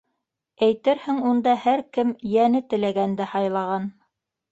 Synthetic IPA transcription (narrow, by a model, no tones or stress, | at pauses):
æjt̪ɘɾhɘŋund̪ɑhæɾkɘmjænɘt̪ɘ̆læɡænd̪æhɑjlˠɑʁɑn